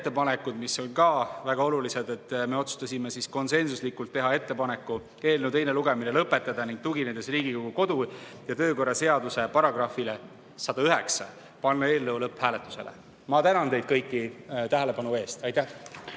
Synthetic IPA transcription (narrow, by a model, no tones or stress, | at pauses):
et̪ˑːe̞pɑne̞kːˑud̪̥miso̞lʲkɑvæɡ̥ɑo̞lulise̞d̪e̞t̪ːˑme̞o̞t̪su̥st̪ɑsʲime̞sisko̞nse̞nsuslikːˑult̪ːe̞ɦɑe̞t̪ːe̞pɑne̞kːˑu | e̞ːlnewd̪t̪e̞jne̞luɡ̥e̞mine̞lɤpˑːe̞t̪ːˑɑd̪̥ɑniŋɡ̥̚t̪uɡine̞nd̪e̞sriːɡikoɡuko̞d̪̥u | jɑt̪ø̞ːko̞rːɑse̞ɑd̪use̞pɑɾɑɡ̥rɑfile̞ | sɑd̪̥ɑyɦe̞ksɑ̰ | pɑnːɑe̞ːlːɤwlɤpːhæːle̞t̪ːˑu̥se̞̰lḛ | mɑt̪ænɑnt̪e̞jd̪̚kɤjkːˑit̪æɦele̞pɑnue̞ːst̪ɑjt̪ːæh